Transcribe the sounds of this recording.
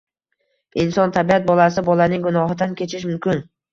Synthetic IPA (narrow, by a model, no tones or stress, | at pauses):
ɪnsɒnt̪ʰabiat̪̚bɒlˠasɪbɒlanɪŋɡʊnɒɦɪd̪ankʲʰe̞t͡ʃʰɪʃmʊmkʲɪn